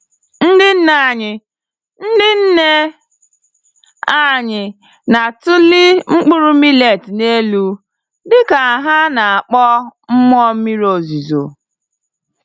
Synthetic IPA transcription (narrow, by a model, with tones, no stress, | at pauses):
n̩˦dɪ˦n̩˦na˨ɲɪ˨ | n̩˦dɪ˦n̩˦ne˦ | a˦ɲɪ˨ | na˨tʊ˦lɪ˦ŋ͡m̩˦k͡pʊ˦ɾʊ˦mi˦le˨tne˦lu˦ | dɪ˦ka˨a˨ɦa˦na˨a˨k͡pɔ˦m̩˦m˦ɔ˦mi˦ɾo˨zi˨zo̰˨